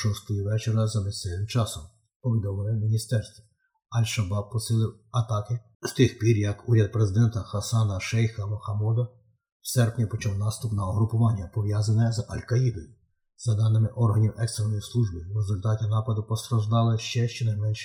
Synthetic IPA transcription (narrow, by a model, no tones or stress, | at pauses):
ʃɔst̪ɔjɔʋɛt͡ʃeɾɐzɐmesɛʋɪmt͡ʃɑsɔm | pɔʋʲid̪ɔmɪlˠɪmʲinʲist̪ɛrst̪ʋɔ | ɐlʲʃɐbɑb̚pɔsɪlˠɪw | ɐt̪ɑkɪ | st̪ɪxpʲirjɐkuɾʲɐd̪̚pɾezɪd̪ɛnt̪ɐxɐsɑnɐʃɛjxɐmɔxɐmɔd̪ɐ | wsɛrpnʲipɔt͡ʃɔwnɑst̪ʊpnɐɔɦɾʊpʊʋɑnʲːɐpɔʋjɑzɐnɛzɐ̰lʲkɐjib̪ɔjʊ | zɐd̪ɑnɪmɪʔɔrɦɐnʲiwʔɛkst̪ɾenɔjislˠuʒbɪrezʊlʲt̪ɑtʲinɑpɐd̪ʊpɔst̪ɾɐʒd̪ɑlˠɪʃt͡ʃɛʃt͡ʃɛnɐjmɛnʃɛ̥